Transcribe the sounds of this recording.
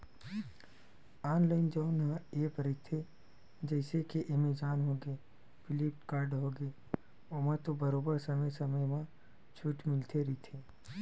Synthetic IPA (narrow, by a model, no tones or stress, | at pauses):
aːnlaːɪnd͡ʒəʊnɦãeːpɾit̪ʰe | d͡ʒɛɪsekeʔemed͡ʒaːnɦoɡe | pɪlip̚ʈkaːɾɖɦoɡeː | oːmət̪obəɾoːbəɾsəməjsəməjmã | t͡ʃʰuʈmɪlt̪ʰeɾit̪ʰeː